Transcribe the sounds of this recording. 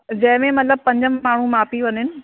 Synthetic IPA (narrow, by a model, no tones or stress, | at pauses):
d͡ʑɐ̃ɦɪ̃mẽmɐt̪ləb̚pɐ̃ɲd͡ʑəmːaːɳ̤umaːpiʋɐɲɪnɪ̆